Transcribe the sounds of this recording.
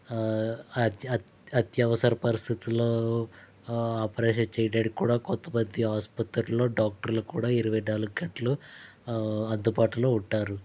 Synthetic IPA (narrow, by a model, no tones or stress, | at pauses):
ɐ | ɐt̪jɐʋɐsɐɾɐpɐɾist̪ʰit̪iloː | aːpɐɾɛːʃɐt͡ʃejɖeːɽikuːɽaːkɔnt̪ːɐmɐd̪ːiɦaːspɐt̪ɾlːo̞ːɖaːk̚ʈɐɾlukuːɽaːiɾuʋɐjɖaːluɡɐʈɐlu | ɐnd̪upaːʈuloːuɳʈːaːɾu